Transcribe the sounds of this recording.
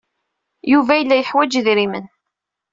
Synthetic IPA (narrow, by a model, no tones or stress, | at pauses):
juvæjəlːæjəħwæd͡ʒðɾimə̰n